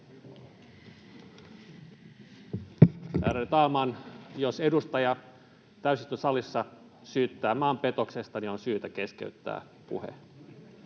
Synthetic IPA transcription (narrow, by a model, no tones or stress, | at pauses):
æ̰ːɾet̪ɑːmɑːnjose̞dust̪ɑjɑ | t̪æysist̪øsɑlisːɑ | syːt̪ːæːmɑːmpe̞t̪o̞kse̞st̪ɑnionsyːt̪æke̞skḛyt̪ːæ̰ː | pṵhḛ